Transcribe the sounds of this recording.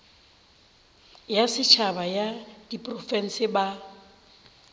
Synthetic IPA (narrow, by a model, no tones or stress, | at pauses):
jasɪt͡ʃʰabajad̥ipʼrɔfɛn̩sɪba